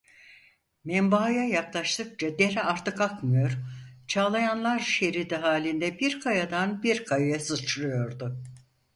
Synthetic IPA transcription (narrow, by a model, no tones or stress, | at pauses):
mɛmbajajaklˠaʃt̪ˠɯk̚t͡ʃʰad̪eɾɛaɾt̪ʰɯkakmɯjo̞ɾt͡ʃʰaːlˠajanlˠaɾʃeɾid̪iɦaːlʲind̪ɛbiɾkʰajad̪anbiɾkʰajajasɯt͡ʃʰlɯjo̞ɾd̪ʊ